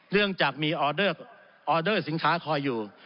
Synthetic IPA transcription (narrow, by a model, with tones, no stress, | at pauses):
nɯ˥˩əŋt͡ɕaː˨˩k̚miː˧ʔɔː˧dɤː˥˩ | ʔɔː˧dɤː˥˩si˨˩˦nkʰaː˦˥kʰɔː˧jːuː˨˩